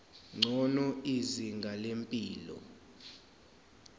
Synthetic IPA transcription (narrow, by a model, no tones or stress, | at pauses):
ŋ͡ǀʱɔnɔiziŋɡʱalempʼiːlɔ̰